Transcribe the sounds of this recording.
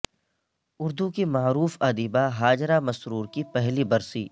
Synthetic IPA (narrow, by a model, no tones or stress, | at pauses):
ʊɾd̪ukimaːɾuːfɐd̪iːbaɦaːd͡ʒɾamɐsɾuːɾkipɛɦlibɐɾsḭː